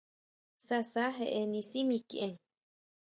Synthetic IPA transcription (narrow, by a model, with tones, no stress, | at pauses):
sa˧sa˦ɦe˧ʔe˧nĩ˧simĩ˧ki˧ʔẽ˨ŋ